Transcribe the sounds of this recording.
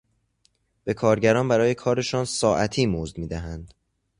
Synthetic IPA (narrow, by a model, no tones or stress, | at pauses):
b̥e̞kʰɒːɾɟæɾɒːnbæɾɒːje̞kʰɒːɾe̞ʃɒːnsɒːʔæt̪ʰiːmozd̪miːd̪æɦænd̪̥